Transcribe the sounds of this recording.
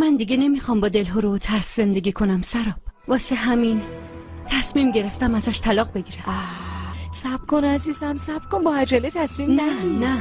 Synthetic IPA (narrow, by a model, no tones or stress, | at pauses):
mænd̪iɡene̞mixɒːmbɒːd̪e̞lɦoɾot̪ʰæɾsze̞nd̪e̞ɡʲiːkʰo̞næmsæɾɒːb̥vɒːseɦæmin | t̪ʰæsmiːmɟe̞ɾe̞ft̪æmæzæʃt̪ʰælɒːɣbe̞ɟiːɾæ | sæb̥kʰonæziːzæmsæbkonbɒhæd͡ʒælet̪ʰæsmiːmnnæinæ